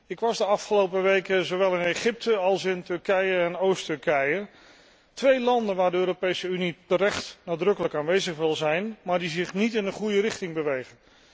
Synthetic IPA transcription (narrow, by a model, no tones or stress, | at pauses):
ɪkʋɑzdəɑfχəlowpəʋejkəzowʋɛlˠɪnejχɪp̚təɑlˠsɪntɵɹkɛjəɛnowstɵɹkɛjə | tʋejlɑndənʋaːɹdəøːɾopejsəynitəɾɛχtnaːdrɵkələkaːnʋejzəχʋɪlˠzɛjnmaːɹdizɪχnitɪnənχujərɪχtɪŋbəʋejχən